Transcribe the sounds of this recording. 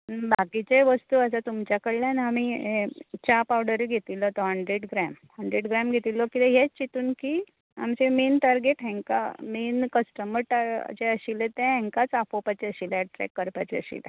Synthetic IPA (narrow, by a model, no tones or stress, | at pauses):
bʱakit͡ɕeʋəst̪uəsat̪umt͡ɕjakəɭljanami | t͡ɕapawɽəɾiɡʱet̪ilːɔt̪ɔɦəɳɖɾeɖɡɾɛmhəɳɖɾeɖɡɾamɡʱet̪ilːɔkit̪eɦjet͡ɕit̪uːnki | a̰mt͡ɕemeːnʈaɾɡeʈɦɛ̃ŋka̰menkəsʈəməɾʈa̰t͡ɕeəɕilet̪ɛ̃ɦɛ̃ŋkat͡safopat͡ɕeəɕilʈɾɛ̰kːəɾpat͡ɕeə̰ɕḭlḛ